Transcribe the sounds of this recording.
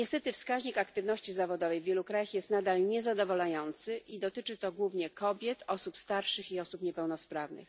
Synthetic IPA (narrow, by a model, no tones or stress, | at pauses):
ɲɛst̪ɛt̪ɘfskaʑɲikakt̪ɘvnɔɕt͡ɕizavɔd̪ɔvɛjvʲjɛlukɾajaxjɛst̪nad̪alɲɛzad̪ɔvɔlajɔnt̪sɘʔid̪ɔt̪ɘt͡ʂɘt̪ɔɡwuvɲɛkʰɔbʲjɛt̪ɔsupst̪aɾʂɘxiɔsupɲɛpɛwnɔspɾavnɘ̰x